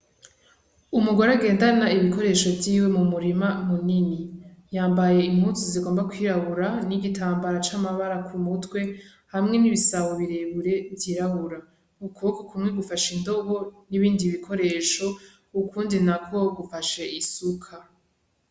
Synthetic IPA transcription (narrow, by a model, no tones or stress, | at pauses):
umuɡoɾaɡe̞ːndanaiβiko̞ɾe̞ːʃo̞vjiːwe̞mumuɾimamuninijaːmbaje̞im̥hutuziɡo̞ːmbakwiːɾaβuɾaniɡitʰaːmbaɾat͡ʃamaβaɾakʰumutwe̞ | hamŋe̞niβisawoβiɾeβuɾe̞viɾaβuɾa | ukʰuβkokumŋe̞ɡufaʃindo̞ɡo̞niβiːndiβikʰo̞ɾe̞ːʃo̞ | ukʰuːndinakʰo̞ɡufaʃe̞ʔisukʰa